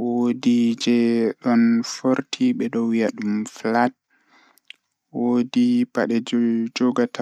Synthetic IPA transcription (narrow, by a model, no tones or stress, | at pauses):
wodid͡ʒɛɗɔnfoɾtʰiɓɛɗɔwjaɗumflat̚ | wodipaɗɛd͡ʒɔɡata